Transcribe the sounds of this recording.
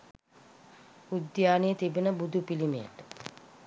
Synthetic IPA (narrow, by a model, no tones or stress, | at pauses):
ud̪jaːnijət̪ibenəbud̪ʱupilimeja̰ʈə